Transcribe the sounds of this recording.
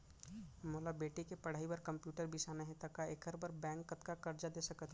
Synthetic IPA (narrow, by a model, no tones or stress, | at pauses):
moːlabeːʈikepɐɽ̤aːibɐɾkɐ̃mpjuːʈəɾbʱisaːnaɦɛ̃t̪ɐkaeːkʰəɾbɐɾbɛ̃ːŋkːɐt̪kakɐɾd͡ʒad̪eːsɐkət̪ʰ